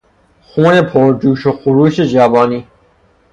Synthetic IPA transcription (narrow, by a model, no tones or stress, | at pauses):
xũːnepʰoːɾduːʃoxuɾuːɕed͡ʑaːbaːniː